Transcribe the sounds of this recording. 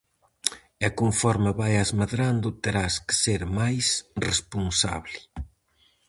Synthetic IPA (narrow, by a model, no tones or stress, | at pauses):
akoɱfɔɾmaβajazmaðɾand̪ʊt̪eɾaskɪ̥seɾmajsrespunsa̰βlɪ